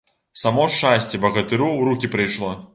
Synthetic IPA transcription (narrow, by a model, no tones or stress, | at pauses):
samɔʂt͡ʂasʲt͡sʲɛbɐɣɐt̪ɨɾuwɾukʲipɾɨjʂlˠɔ